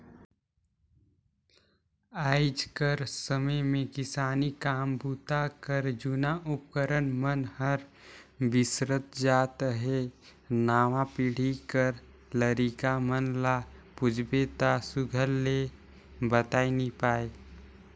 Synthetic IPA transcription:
aːɪd͡ʒkəɾsəməmẽkɪsaːnikaːmbuːt̪akəɾd͡ʒunaʔʊp̚kəɾənmənhəɾbɪsɾət̪d͡ʒaːt̪ɦenaːʋãpɪɽ̤ikəɾ | ləɾikamənlapʊd͡ʒbet̪asʊɡʱəlːe | bət̪aːinipaːe

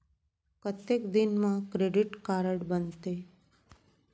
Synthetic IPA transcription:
kət̪ekd̪inmãkɾeɖiʈkaɾəɽbənt̪e

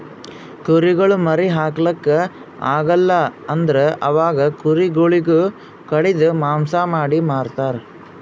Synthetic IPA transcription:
kuɾiɡɐɭumɐɾiɦaːklɐkːe | a̰ːɡɐlːɐɐnd̪ɐɾeʔɐʋaːɡɐkuɾiɡoɭiɡu | kɐɽid̪umaːmsamaːɽimaːɽt̪aːɾe

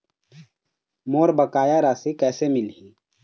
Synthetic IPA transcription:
moːɾbəkaːjaɾasekɛːsemɪlɦiː

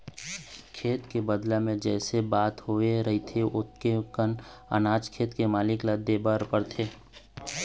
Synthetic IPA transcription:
kʰeːt̪kebəd̪lamẽd͡ʒɛːsebaːt̪ɦoeɾɐɦit̪ʰeʔʊt̪kekən | ə̰naːd͡ʒkʰeːt̪kemaːlɪklad̪eːbəɾpəɾt̪ʰeː

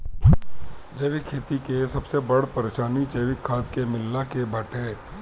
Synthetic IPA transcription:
d͡ʒeːʋɪkʰːeːt̪ikesɐbsebɐɽpɐɾeːʃaːnit͡ʃeːʋɪkʰːaːd̪kemɪlːakebʱɐʈeː

